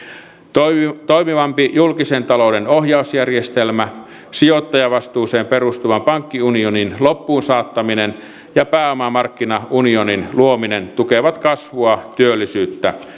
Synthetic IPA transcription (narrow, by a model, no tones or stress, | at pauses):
t̪oimiʋɑmpijulkisent̪ɑlo̞udenohjɑusjærjest̪elmæ | sijot̪ːɑjɑʋɑst̪uːseːmperust̪uʋɑmpɑŋkːiunioninlopːuːnsɑːt̪ːɑminen | jɑpæːomɑmɑrkːinɑʔunioninluominent̪ukeʋɑt̪kɑsʋuɑt̪yølːisyːt̪ːæ